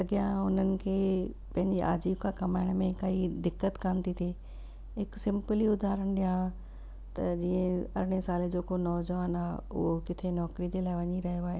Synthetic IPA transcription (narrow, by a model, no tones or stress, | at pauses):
lɐɡijãʊn̤ənɪ̆kʰeː | pɐ̃ɦɪ̃ɲd͡ʑiʔa̰ːd͡ʑiːbkʰãːkɐmaːɪɽ̃mẽkɐid̪ɪkːət̪kaːnt̪it̪ʰeː | ɦɪksɪ̃mpəliʊd̪ʱaːɾəɽ̃ɗijã | t̪ɐd͡ʑiːə̃ɐɾɪɽ̃esaːled͡ʑoːkonɔːd͡ʑʋaːnaːɦʊ̰ɦokɪt̪ʰenɔːkɾid͡ʑelaːɪʋɐɲiɾɐɦijoaːɦeː